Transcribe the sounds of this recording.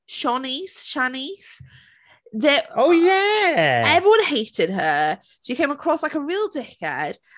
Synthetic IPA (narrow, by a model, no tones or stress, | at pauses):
ʃɒniz̥ʃaniz̥ | ðəoʊjæ | ɛvɹiwʌ̃nheɪtɪd̚ə | ʃikʰẽɪ̃məkʰɹ̥ɔslaɪkəɹiːlˠdɛkə̰d̥